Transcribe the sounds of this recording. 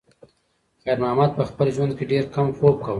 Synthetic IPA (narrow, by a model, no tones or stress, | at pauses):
xajɾmɑːmɑd̪̚pəxpəlʒwand̪̚keɖeɾkamxop̚kaw